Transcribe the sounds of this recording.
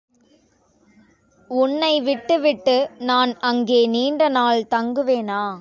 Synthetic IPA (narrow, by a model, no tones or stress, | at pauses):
ʊnːɐɪʋɪʈːɯʋɪʈːɯnaːnɐŋɡeːniːɳɖɐnaːlt̪ɐŋɡɯʋeːnaː